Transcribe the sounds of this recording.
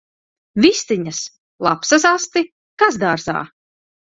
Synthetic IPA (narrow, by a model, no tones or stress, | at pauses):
vist̪iɲas | lˠapsasast̪i | kazd̪aːɾza̰ː